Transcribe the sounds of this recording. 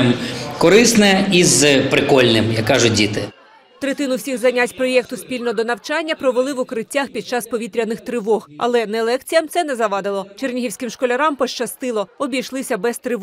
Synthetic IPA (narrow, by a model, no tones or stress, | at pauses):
mkɔɾɪsnɛizpɾɪkɔlʲnɪmjakːɑʒʊdʲit̪ɪ | t̪ɾet̪ɪnʊwsʲiɣzɐnʲatʲpɾɔjɛkt̪ʊspʲilʲnɔd̪ɔnɐwt͡ʃɑnʲːɐpɾɔʋelˠɪʋʊkɾɪtʲːaxpʲid̪̚t͡ʃɑspɔʋʲit̪ɾʲɐnɪxt̪ɾɪʋɔɣɐ̰lˠɛnɛlˠɛkt͡sʲijɐmt̪sɛnɛzɐʋɑd̪ɪlˠɔt͡ʃernʲiɦiwsʲkɪmʃkɔlʲɐɾɑmpɔʃt͡ʃɐst̪ɪlˠɔɔbʲijʃlˠɪsʲɐbɛst̪ɾɪʋ